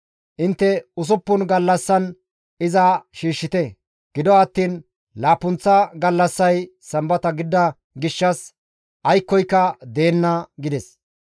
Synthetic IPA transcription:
ʔɪnt̪ːɛʊs̬ʊpːʊnɡɐlːɐsːɐn | ɪzɐʃiːʃːɪt̪ɛ | ɡ̥ɪd̪ɔɐt̪ːiːn | laːpʊnt͡sːɐɡɐlːɐsːɐj | sɐmbɐt̪ɐɡɪd̪ːɐ | ɡɪʃːɐs | ʔɐjkːɔjkːɐd̪e̞ːnːɐɡɪd̪ɛs

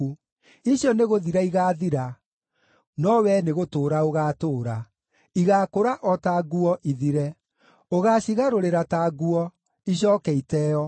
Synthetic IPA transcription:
iɕjɔneɣoðiɾaiɣaːðiɾa | nɔwɛneɣotoːɾaoɣatoːɾa | iɣaːkoɾaʔɔtaːɡuɔʔiðiɾɛ | oɣaɕiɣaɾoɾeɾataːɡuɔ | iɕ̬ɔːkɛitɛɔ

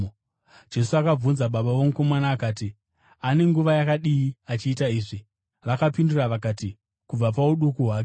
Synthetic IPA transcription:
d͡ʒe̞suakab͡vunzaɓaɓaʋo̞muko̞manaːkaːti | ane̞ŋɡuʋajakaɗiiat͡ʃiːtaiːʐi | ʋakapinduraʋakaːti | kub͡vap̬auɗukuɦwaːke

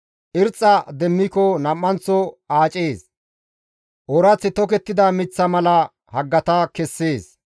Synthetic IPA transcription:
ʔɪɾt͡sʼːɐd̪ɛmːɪkɔnɐmːɐnt͡sːɔaːt͡ʃʼeːs | ʔɔɾɐt͡sːɪt̪ɔkɛt̪ːɪd̪ɐmɪt͡sːɐmɐlɐ | hɐɡːɐt̪ɐkɛsːeːs

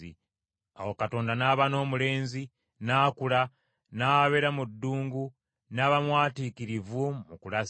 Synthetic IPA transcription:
ḭ | awokato̞ːndanaβano̞ːmule̞ːnzi | naːkula | naβeɾamudːuːŋɡu | naβamwaːtiːkiɾivumukula

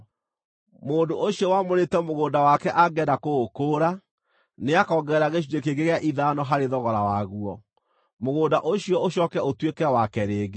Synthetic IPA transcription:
moːndoʔoɕiɔwamoɾetɛmoɣoːdawakɛʔaɡɛdakoɣokoːɾa | neakɔːɡɛɾaɣeʃ̬idekeɡeɣejaʔiðanɔɦaɾeðɔɣɔɾawaɣuɔ | moɣoːdaʔoɕiɔoɕɔkɛotwekɛwakɛɾeːɣe

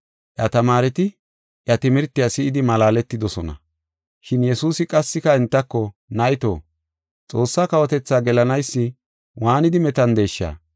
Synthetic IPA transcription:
ʔjɐt̪ɐmaːɾɛt̪ɪ | ʔjɐt̪ɪmɪɾt̪ːɪjasɪɪd̪ɪmɐlaːlɛt̪ːɪd̪ɔsɔnɐ̰ | ʃɪnjɛsuːsɪkʼɐsːɪkɐɛnt̪ːɐkːɔnɐʔjɪt̪o̰ː | t͡sʼo̞ːsːaːkɐwɔt̪ɛt͡sːaːɡɛlɐnɐjsːɪ | waːnɪd̪ɪmɛt̪ɐnd̪e̞ːʃːa̰ː

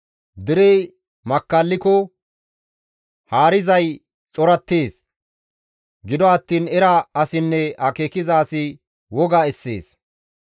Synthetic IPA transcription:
d̪ɪɾɛj | mɐkːɐlːɪkɔ | haːɾɪzɐj | t͡sʼɔɾɐt̪ːeːs | ɡɪd̪ɔɐt̪ːiːnɛɾɐɐsɪnːɛɐkeːkɪzaːsɪ | wɔɡaɛsːḛːs

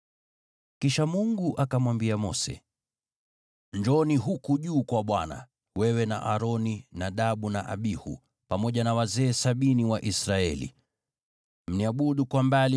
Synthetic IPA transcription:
kiʃamuŋɡuʔakamwambiamɔ̰sɛ̰ | nd͡ʒɔniɦukuʄuːkwaɓwana̰ | wɛwɛna̰ʔaɾɔninaɗaɓuna̰ʔa̰ɓihṵ | pamɔʄanawazɛːsaɓiniwaʔisɾaɛ̰lḭ | m̩niaɓuɗukwambali

